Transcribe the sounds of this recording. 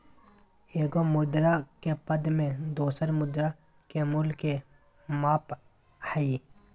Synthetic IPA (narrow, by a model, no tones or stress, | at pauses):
eːɡomʊd̪ɾakepəd̪mẽd̪oːsəɾmʊd̪ɾa | kemʊlke | maːp | həiː